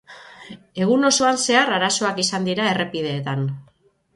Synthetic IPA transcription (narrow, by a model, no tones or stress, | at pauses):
e̞ɣ̞uno̞so̞anse̞aɾaɾaso̞akisand̪iɾae̞re̞pið̞e̞ːt̪an